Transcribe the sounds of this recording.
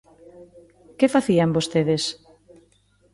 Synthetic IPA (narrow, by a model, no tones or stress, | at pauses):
kefaθiambost̪eðes